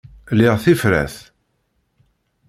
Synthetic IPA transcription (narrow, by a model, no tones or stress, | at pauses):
liʁθifɾæ̰θ